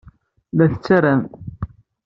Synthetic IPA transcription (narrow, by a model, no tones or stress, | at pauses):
læθət͡sːæɾæn